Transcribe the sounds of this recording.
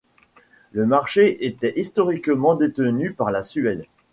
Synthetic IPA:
ləmaʁʃeʔet̪ɛʔist̪ɔʁikmɑ̃d̪et̪ənypaʁlasyɛl

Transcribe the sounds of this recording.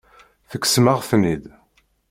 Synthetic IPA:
θəkːsmaʁθnid̪

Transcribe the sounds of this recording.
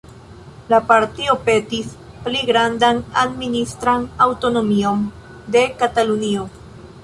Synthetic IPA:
lapaɾtio̞pe̞tis | pliɡɾandanadministɾanawto̞no̞mio̞n | de̞katalunio̞

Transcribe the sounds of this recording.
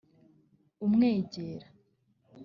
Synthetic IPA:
umŋeːɟeːɾa

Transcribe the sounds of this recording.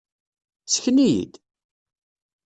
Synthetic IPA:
t͡sːə̥çənijḭd̪

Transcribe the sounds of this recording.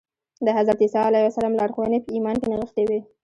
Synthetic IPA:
d̪əɦazɾɑt̪isɑlajwasalɑmlɑɽxowənepəimɑnkenaɣəxt̪ewi

